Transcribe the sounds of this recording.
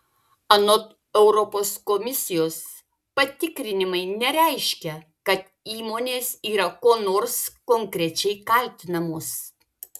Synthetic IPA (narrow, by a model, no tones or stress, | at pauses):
ɐnot̪ | ɛʊɾɔpoːskɔmʲɪsʲɪjoːs | pɐt̪ʲɪkɾʲɪnʲɪmɐɪnʲɛɾʲɛɪʃʲkʲɛ | kɐt̪ | iːmoːnʲeːsiːɾɐkoːnoːɾskoŋʲkɾʲɛt͡ʃʲɛɪkɐlʲt̪ʲɪnɐmoːs